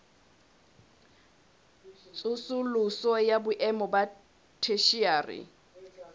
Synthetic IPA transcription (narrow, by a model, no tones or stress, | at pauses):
t͡sʼʊsʊlʊsɔjabʊʔɛmɔba | tʰeʃiaːrɪ̰